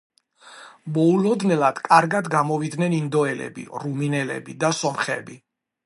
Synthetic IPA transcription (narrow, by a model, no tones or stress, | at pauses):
mɔulɔd̪nɛlˠad̪̥kʼaɾɡad̪ɡamɔvid̪nɛnind̪ɔɛlɛ̰bḭɾuminɛlɛ̰bid̪asɔmχɛ̰bi